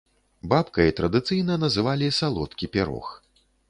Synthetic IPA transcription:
bapkɐjit̪ɾɐd̪ɨt̪sɨjnɐnɐzɨvalʲisalˠɔt̪kʲipʲɛɾɔ̰x

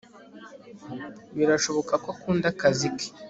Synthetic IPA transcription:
βiɾaʃo̞βo̞kakokuːndakazike̥

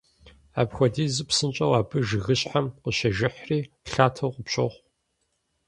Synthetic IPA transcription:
a̰ːpxʷɔdiːzɨpsɨnt͡ʃʼɐwaːbʰɨʒɪɣɨɕʼħamqəɕɐʒɪħriː | ɬaːtʰɐwqʷəpɕʼɐ̰χʷ

